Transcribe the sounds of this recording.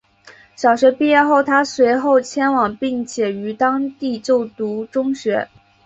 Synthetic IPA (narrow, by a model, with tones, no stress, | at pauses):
ɕjɑ˨˩ʊɕɥɛ˧˥pi˥˧jɛ˥˧xo˥˩ʊt̪ʰa˥swe˧˥ɪxo˥˩ʊt͡ɕʰjɛ˥nwɑ˨˩ŋpi˥˩ŋt͡ɕʰjɛ˨˩y˧˥t̪ɑ˥ŋt̪i˥˧t͡ɕjo˥˩ʊt̪u˧˥ʈ͡ʂʊ˥ŋɕɥɛ˧˥